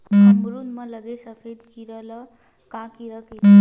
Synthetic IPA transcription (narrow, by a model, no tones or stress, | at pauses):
əmɡɾunmʌ̃ləɡesəpʰed̪kiɾəlʌ | kãkiɾəki